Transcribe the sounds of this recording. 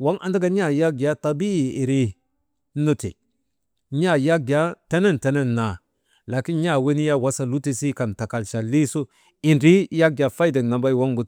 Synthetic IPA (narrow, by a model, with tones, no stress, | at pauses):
wa˦ŋʔa˨nda˦ɡa˦ɲa˦˨ja˦ɡa˦ta˨bi˦i˨i˨ɾi˦ | nu˦tḭ˨ | ɲa˦˨ja˦ɡa˦te˦ne˦nte˨˦ne˦nːa˨ | la˨ki˦nɲa˦˨we˦ni˦ja˦wa˦sa˦lu˦ti˦si˦ka˨nta˨ka˨lʃa˨lːi˦su˦ | i˨nɾi˦ja˦ɡa˨fa˦jde˨ŋna˨ba˦jwa˦ŋɡu˨t